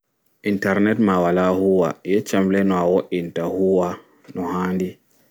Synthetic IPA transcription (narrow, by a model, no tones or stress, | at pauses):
ʔintɛɾnɛtmawalahuwa̰jɛt͡ʃamlɛnɔawoʔintahuwa | nɔhaːndi